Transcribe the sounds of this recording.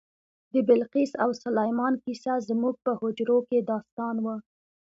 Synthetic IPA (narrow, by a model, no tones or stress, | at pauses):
d̪əbɪlqisawsʊlajmɑnkisazmuɡ̚pəhʊd͡ʒɾoked̪ɑst̪ɑnwə